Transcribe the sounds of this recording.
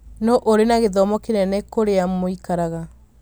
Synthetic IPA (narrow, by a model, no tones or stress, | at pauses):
nɔʔoɾenaɣeðɔmɔkenɛnɛkoɾeamoikaɾaɣa